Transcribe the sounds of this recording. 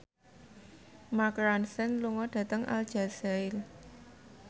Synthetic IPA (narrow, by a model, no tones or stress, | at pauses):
makɾansɛnluŋɔɖ̥ä̤t̪əŋʔa̰ld̥ʒ̥a̤saɪl